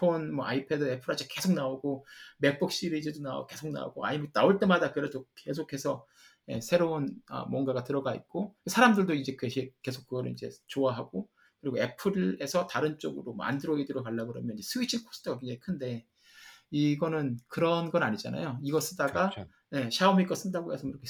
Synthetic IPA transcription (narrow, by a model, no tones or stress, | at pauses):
pʰonmʌʔa̰ipʰe̞dɯe̞pʰɯɾad͡ʑʰike̞sʰok̚naoɡome̞k̚p͈uk̚ɕ͈iɾiid͡ʑedonao̰ke̞sʰok̚na̰o̰ɡoa̰imenaoɭt͈e̞madakɯɾedoke̞s̬ʰokʰe̞sʰʌ | je̞̰sʰe̞ɾounʌ̰mwʌnɡaɡatɯɾʌɡaḭt̚k͈osʰaɾamdɯɭdoid͡ʑe̞keɕʰike̞sʰok͈ːɯɡʌɾɯɭid͡ʑe̞̰t͡ɕoaɦaɡ̥o | kɯɾiɡoe̞pʰɯɾe̞sʰʌtaɾɯnt͡ɕ͈oɡɯɾomʌ̰a̰ndɯɾʌɡidɯɾokaɭːaɡɯɾʌmjʌnid͡ʑe̞sʰɯit͡ɕʰikʰo̥s͈ʰɯ̥tʰoɡakend͡ʑeikʰɯnde̞ | iɡʌnɯnkɯɾʌnɡʌnaɲid͡ʑa̰na̰joiɡʌs͈ɯdaɡa | je̞ɕʰaumik͈ʌs͈ɯdaɡoesʰʌiɾʌkʰe